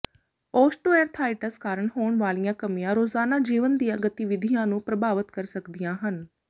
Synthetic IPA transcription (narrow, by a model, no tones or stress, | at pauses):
oːsʈoːeːɾt̪ʰaːɪʈəskaːɾəɳɦoːɳʋaːlijãːkəmijãːɾoːzaːnaːd͡ʒiːʋənd̪ijãːɡət̪iʋɪd̪ʱijãːnũːpɾəbaːʋət̪kəɾsəkd̪ijãːɦən